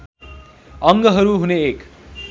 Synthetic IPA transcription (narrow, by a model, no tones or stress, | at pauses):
ʌŋɡʌɦʌɾuɦuneːk